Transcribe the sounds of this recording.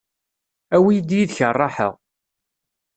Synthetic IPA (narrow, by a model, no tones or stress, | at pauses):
æwijəd̪jiðçərˤːɑħə̰ʁ